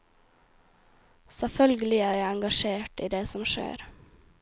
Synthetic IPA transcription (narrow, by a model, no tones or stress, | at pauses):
sɛfœlɡəlɪæːɾjæɪɑŋɡɑʃeːʈḭːd̪eːsɔmʃḛːɾ